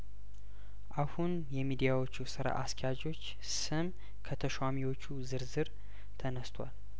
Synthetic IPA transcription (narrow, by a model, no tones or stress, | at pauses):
ʔahun | jɛmid̪ijawo̞t͡ʃːusɨɾa̰ʔaskʰɛjad͡ʒo̞t͡ʃː | sɨm | kʰət̪ʰəʃwamiwo̞t͡ʃːuzɨɾzɨɾ | t̪ʰənəst̪ʰwa̰l